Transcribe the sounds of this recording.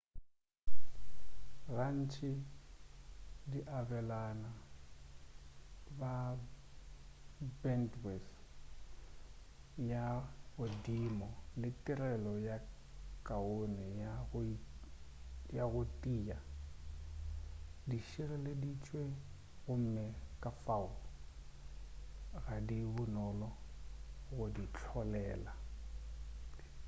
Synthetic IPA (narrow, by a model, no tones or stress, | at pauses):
ɣan̩t͡ʃʰʼɪ | diʔabɛlana | ba | bɛndwɛs | jaɣʊdimɔlɪtʼirɛlɔja | kʼaonɛjaɣ | jaɣʊtʼiːa | diʃɛrɛledit͡ʃʼwe | ɣʊm̩mɛkʼafaʊl | ɣadibʊnɔlɔ | ɣʊdit͡ɬʰɔlɛːla